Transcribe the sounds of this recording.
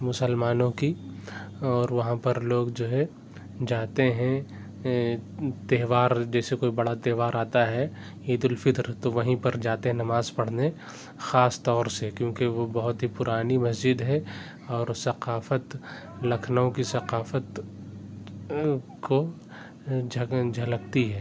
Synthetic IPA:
mʊsəlmaːnõki | ɔːɾʋɐɦãpɐɾloːɡd͡ʒoːɦɛ | d͡ʒaːt̪eɦɛ̃ | t̪eːʋaːɾd͡ʒɛːsekoːibɐɽat̪eːʋaːɾaːt̪aɦɛ | iːd̪ʊlfɪt̪ɾt̪oʋɐɦĩpɐɾd͡ʒaːt̪eɦɛ̃nɐmaːzpɐɽ̤ne | xaːst̪ɔːɾsekjõːkeʋobɐɦʊt̪ɦipʊɾaːnimɐsd͡ʒɪd̪ɦɛ | ɔːɾsɐqaːfət̪ | lɐkʰnõkisɐqaːfət̪ | ko | d͡ʒʱɐd͡ʒʱɐləkt̪iɦɛː

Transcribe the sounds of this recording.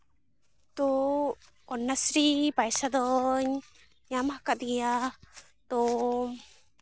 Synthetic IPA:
t̪ɔ | ɔnːasɾibajsad̪ɔɲ | ɲamaakaʔt̪ɡija | t̪ɔ

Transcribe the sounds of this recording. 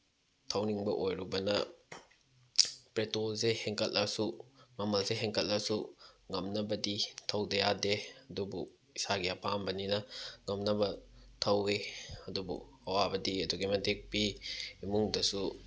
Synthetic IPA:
tʰɐwniŋbɐʔojɾubɐnɐ | pɾetolzeheŋkʰɐtlɐsuŋɐmɐlseɦeŋkɐtːɐsuŋɐmnɐbɐditʰɐwdɐjadeɐdubṵ | isaɡiɐpʰambɐninɐŋɐmnɐbɐtʰɐweɐdubṵ | ɐwabɐdiɐduɡimɐdek̚piːmuŋdɐsu

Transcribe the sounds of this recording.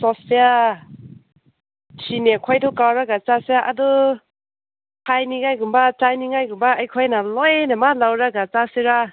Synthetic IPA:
sɔspea | sinekʰɔjdɔkawɾaɡat͡ʃasejaʔadɔ | kʰajniŋajɡumbat͡ʃajniŋajɡumbaːjkʰɔjnalɔjnamalawɾaɡat͡ʃasiɾa

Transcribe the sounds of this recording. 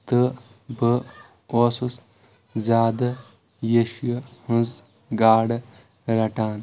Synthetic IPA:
t̪ɨ | bə | oːsus | zʲaːd̪ɐ | jeʃjhũnz | ɡaːɽ | ɾɐʈaːn

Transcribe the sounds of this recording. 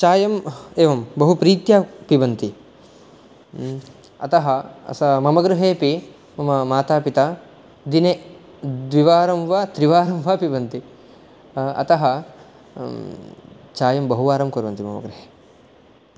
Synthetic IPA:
t͡ʃaːjɐmeːʋɐmbɐɦupɾiːt̪jaːpibɐnt̪i | ɐ̰t̪ɐɦɐɐ̰sɐmɐmɐɡɾuɦeːpi | mɐmɐmaːt̪aːpit̪aː | d̪ine | d̪ʋiʋaːɾɐmʋaːt̪ɾiʋaːɾɐmʋaːpiʋɐnt̪i | ɐ̰t̪ɐɦɐ | t͡ʃaːjɐmbɐɦuʋaːɾɐmkoːɾʋɐnt̪imɐ̰mɐ̰ɡɾuɦeː

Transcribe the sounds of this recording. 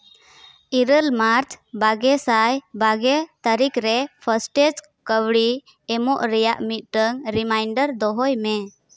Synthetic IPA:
iɾəlmaɾt͡ʃʰbaɡɛsajbaɡɛt̪əɾikɾɛpʰəsʈed͡ʒ | kəwɽiː | mɔʔɾɛjaʔmit̪̚ʈəŋɾimajɳɖəɾd̪ɔɦɔjmɛ

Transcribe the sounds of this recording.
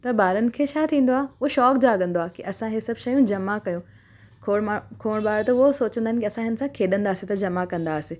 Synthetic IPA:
t̪ɐbaːɾənɪ̆kʰet͡ɕʰaːt̪ʰĩːnd̪oaːʊɦoʃɔːkd͡ʑaːɠɐ̃nd̪oaːkiʔɐsãɦesɐbʃɐjũd͡ʑɐmakɐjũ | kʰoɽkʰoːɽ̃ɓaːɾt̪ɐʊɦosoːt͡ɕə̃nd̪aɦɪnkʲiɐsãɦɪnɪsãkʰeːɗə̃nd̪aːsɪt̪ɐd͡ʑɐmakɐ̃nd̪aːsɪ

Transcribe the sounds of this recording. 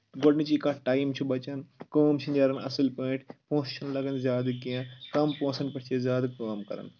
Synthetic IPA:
ɡoɽnit͡ʃikãːʈaːjimt͡ʃʰubɐt͡ʃɐnkoːmt͡ʃʰind͡ʒɐɾɐnɐ̰silpoːʈʰpõːsʃʰɐnlɐɡɐnzʲjaːd̪ɐkijãkɐmpõːsɐnpɐʈʰt͡ʃʰezʲjaːd̪kaːmkɐ̰ɾɐ̰n

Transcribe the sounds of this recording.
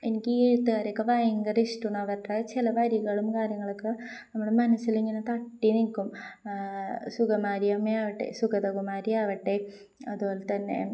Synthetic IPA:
enikʲːieɻut̪ːɨkaːɾjɐkːɐʋɐjɐŋɡɐrisʈuɳɐʋɐʈːaːt͡ɕilɐʋɐɾiɣɐɭumkaːɾjɐŋːɐɭokːɐnɐmːuɽemɐnɐsːiliŋːɐnet̪ɐʈːinilkʲːum | suɣɐmaːɾijɐmːeaːʋiʈːḛsukɐd̪ɐɡumaːɾijaʋɐʈːe | ɐðubo̞ːlet̪ɐnːḛ

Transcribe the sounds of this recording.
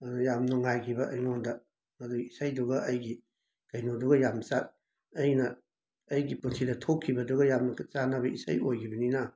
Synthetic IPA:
jamnuŋajkʰibɐʔɐjŋondɐ | ɐduisajduɡɐʔɐjɡi | kɐjnoduɡɐjamt͡ʃat̚ː | jnɐː | jɡipunsidɐtʰokʰːibɐduɡɐjamnɐkt͡ʃanabɐisa̰jojkʰibɐnina

